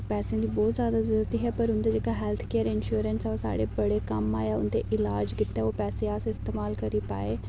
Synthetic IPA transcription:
pɛːsẽãːd̪iːbɔːt̪zjaːd̪aːzəɾuːɾət̪iːɦɛːpəɾʊnd̪eːd͡ʒeːkaːɦɛːlt̪ʰkeːəɾɪnʃuːɾənsɛoːsa̰ːɽeːbəɽeːkəma̰ːjaːʊ̰nd̪eːʔɪlaːd͡ʒkɪt̪ːɛːoːpɛːseːaːsɪst̪eːmaːlkəɾiːpa̰ːeː

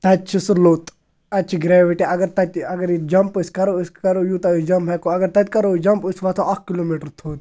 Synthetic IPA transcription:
t̪ɐtt͡ʃʰisuloːt̪ | ɐtːt͡ʃʰiɡɾɛːʋiʈiɐɡɐɾt̪ɐt̪ʲɐɡəɾid͡ʒɐmpiskɐɾoskɐɾojut̪ɐisd͡ʒɐmbʱɐkoɐɡəɾt̪ɐt̪̚ʲkɐɾod͡ʒɐmpɨsʋɐt̪ʰoɐkʰkːiloːmiʈəɾt̪ʰoːt̪

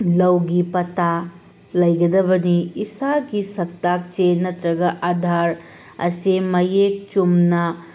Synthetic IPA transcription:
lɐwɡipɐta | lɐjɡɐdɐbɐniːsaɡisɐk̚tːak̚t͡ʃenɐtɾɐɡɐʔadʱaɾ | ɐ̰simɐjek̚t͡ʃumnɐ

